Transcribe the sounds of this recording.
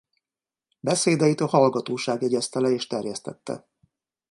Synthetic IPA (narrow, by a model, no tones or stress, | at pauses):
bɛseːd̪ɛjit̪ɒhɒlɡɒt̪oːʃaːɡjɛɟɛst̪ɛlɛeːʃt̪ɛrjɛst̪ɛ̰t̪ːɛ̰